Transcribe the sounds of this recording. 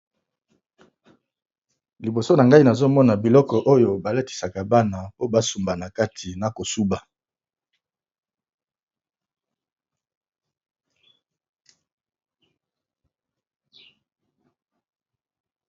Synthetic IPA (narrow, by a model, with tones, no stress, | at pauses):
li˨bo˨so˦na˨ŋɡa˦i˦na˨zo˦mɔ˦na˨bi˨lɔ˦kɔ˨ʔo˦jo˨ba˨le˦ti̥˨sa˨ka˨ba˦na˨po˦ba˦su˨mba˨na˨ka˦tʰi˨na˨ko˨su˦ba˨